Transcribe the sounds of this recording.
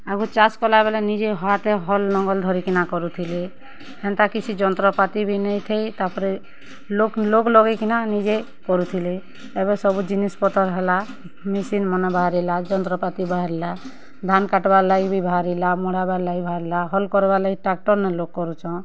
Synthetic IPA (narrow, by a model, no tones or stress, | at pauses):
aɡut͡ʃaskɔlabɛlanid͡ʒeɦɔat̪ɛɦɔlnɔŋɡɔld̪ʱɔɾikinakɔɾut̪ʰile | hɛnt̪akit͡ʃʰid͡ʒɔnt̪ɾɔpat̪ibʱinɛt̪ʰejt̪apʰɔɾɛ | lokloklɔɡekinanid͡ʒe | kɔɾut̪ʰile | ɛbɛsɔbud͡ʒinispɔt̪ɔɾɦɛla | misinmɔnɔbʱaɾilad͡ʒɔnt̪ɾɔpat̪ibaɦaɾila | d̪ʱankaʈbalaɡibʱibʱaɾilamɔɽabalaɡibʱaɾilaɦɔlkɔɾbalaɡiʈak̚ʈɔɾnɛlokːɔɾut͡ʃʰɔ̃